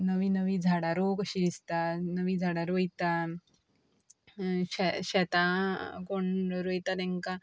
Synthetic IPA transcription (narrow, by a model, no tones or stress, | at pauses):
nəʋinəʋid͡zʱaɽaɾokəɕid̪ist̪anəʋid͡zʱaɽaɾojt̪a | ɕɛɕɛt̪ãkoɳɾojt̪anɛ̃ŋka